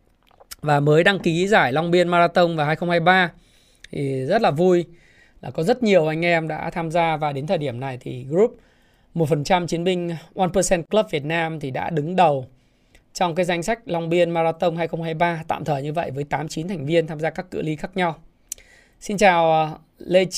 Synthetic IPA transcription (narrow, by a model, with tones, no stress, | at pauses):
vaː˨˩məː˨˦jɗa˧ŋki˨˦zaː˧˩jlɔ˧wŋ͡mɓi˧ənma˧zaː˧t̪ə˧wŋ͡mvaː˨˩ɦaː˧jxə˧wŋ͡mhaː˧jɓaː˧ | t̪ʰi˨˩zə˦˥t̚laː˨˩vu˧j | laː˨˩kɔ˨˦zə˦˥t̚ɲi˨˩əwʔa˧jŋ̟ʔɛ˧mɗa̰ː˧˥t̪ʰaː˧mzaː˧vaː˨˩ɗe˨˦nt̪ʰəː˨˩jɗi˧˩əmna˨˩jt̪ʰḭ˨˩ɣɾu˦˥p̚ | mo˨˩t̚fə˨˩nt͡ɕa˧mt͡ɕi˨˦ənɓï˧ŋ̟ʔwaː˧npə˧sɛ˧nklə˦˥p̚vi˨˩ət̚naː˧mt̪ʰi˨˩ɗa̰ː˧˥ɗɨ˨˦ŋɗə˨˩w | t͡ɕɔ˧wŋ͡mkaː˨˦jza˧jŋ̟sa˦˥jk̟̚lɔ˧wŋ͡mɓi˧ənmaː˧zaː˧t̪ə˧wŋ͡mhaː˧jxə˧wŋ͡mhaː˧jɓaː˧t̪a̰ː˧˨mt̪ʰəː˨˩ɲɨ˧və̰˧˨jvəː˨˦jt̪aː˨˦mt͡ɕi˨˦nt̪ʰa˨˩jŋ̟vi˧ənt̪ʰaː˧mzaː˧kaː˦˥kːɨ̰˧˥li˨˦xaː˦˥k̚ɲa˧w | si˧nt͡ɕaː˨˩w | le˧